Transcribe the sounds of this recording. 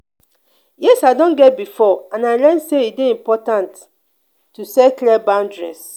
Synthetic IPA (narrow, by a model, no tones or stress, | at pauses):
jɛsadɔ̃nɡɛt̚bifɔãnaɪlɛnseitdeĩmpɔtãntː | usɛklɛbãʊ̃ndɹɛ̰s